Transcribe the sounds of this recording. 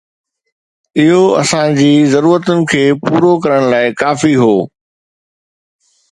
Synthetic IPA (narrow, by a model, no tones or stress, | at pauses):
ɪɦoɐ̰sãd͡ʑiːzɐɾuːɾət̪ʊnɪ̆kʰeːpuːɾokɐɾəɽ̃laːɪkaːfiɦoː